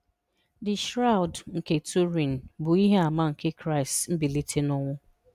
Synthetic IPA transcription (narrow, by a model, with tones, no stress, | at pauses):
dɪ˨ʃɾa˦ʊ˨dŋ̩˨ke˨tu˦ɾi˨n̩˨bʊ˨i˦ɦe˦a˨ma˦ŋ̩˨ke˦kɾa˦˨ɪ˨stm̩˦bi˨li˦tʰe˦nʊ˦ŋʷʊ˦